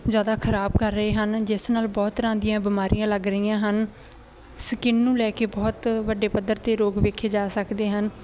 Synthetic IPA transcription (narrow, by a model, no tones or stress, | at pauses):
zjaːd̪aːkʰəɾaːbkəɾːəeːɦənd͡ʒɪsnaːlbɔːt̪ɾãːd̪ɪjãːbɪmaːɾʔijãːləɡɾəijãːɦən | səkɪnːũːlɛːkeːbɔːt̪ʋəɖeːpəd̪ːəɾt̪eːɾoːɡʋeːkʰeːd͡ʒaːsəkd̪eːɦən